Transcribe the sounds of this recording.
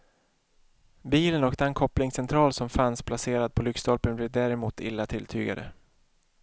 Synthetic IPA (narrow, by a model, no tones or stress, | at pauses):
biːlənøːkt̪əɛnkʰɔplɪŋsɛnt̪ʰɾɑːlsɔmfanspʰlaseːɾad̪̚pʰɔlʏkst̪ɔlpənblɛːvd̪æːɾɛmuːt̪ʰɪ̰lːat̪ʰɪlt̪ʰy̰ːɡa̰d̪ə̰